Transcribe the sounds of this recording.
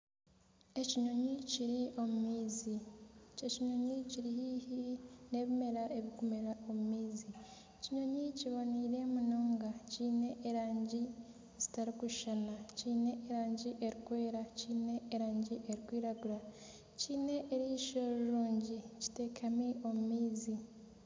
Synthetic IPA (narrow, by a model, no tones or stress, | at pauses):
e̞ciɲo̞ɲiciɾiʔo̞mumiːzieciɲo̞ɲiciɾihihine̞ːβime̞ɾaʔe̞βikumeɾao̞mumiːzi | ciɲo̞ɲiciβo̞niɾe̞munoːŋɡaciːne̞ʔːɾaːɲɟi | zitaɾikuʃʃanaciːne̞eɾaːɲɟiʔeɾikwe̞ːɾaciːne̞eɾaːɲɟiʔeɾikwiːɾaɡuɾa | ciːne̞ʔeɾiiʃoɾuɾuːɲɟici̥te̞kʰamiʔo̞mumiːzi